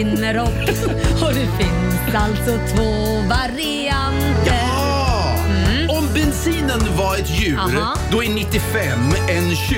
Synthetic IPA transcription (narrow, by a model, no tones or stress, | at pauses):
ɪnːəɾɔkː | ɔd̪ɛfɪnsalt̪sɔt̪ʰvoː | vaɾɪ | and̪ə | ɔmbɛnsiːnənvaɾɛt̪jʉ̟ːɾ | d̪ɔɛnɪt̪ːɪfɛmːɛnɕ